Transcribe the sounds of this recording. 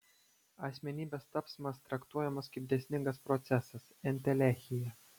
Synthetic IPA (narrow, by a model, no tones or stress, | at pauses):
ɐsʲmʲɛnʲiːbʲeːst̪ɐpsmɐst̪ɾɐkt̪uɔjɛmɐskʲɪpb̚ʲd̪ʲɛsʲnʲɪŋɡɐspɾɔt̪sʲɛsɐsɛnʲt̪ʲɛlʲæˑxʲɪjɛ